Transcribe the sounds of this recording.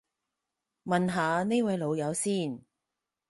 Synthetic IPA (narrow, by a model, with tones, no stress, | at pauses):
mɐ˨nɦaː˨˧ne˥jwɐ˨˧jlo˨˧wjɐ˨˧wsiː˥˩n